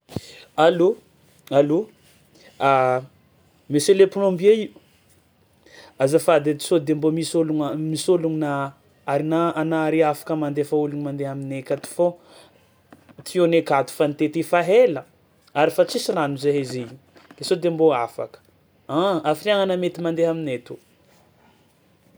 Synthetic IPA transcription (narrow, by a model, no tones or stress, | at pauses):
alu | alu | a | meseleplombiei | azəfad̪et̪i̥sod̪embomisoluŋmisoluŋna | aɾinaanaaɾiafḁkəmand̪efauluɲimand̪eaminekat̪u̥fo | t̪ionekat̪u̥fanit̪et̪ifaɦelə | aɾifat͡sisiranuzeɦezeiud̪̥esod̪emboafa̰kə̥ | aafiriaŋanəmet̪imand̪eɦaminet̪u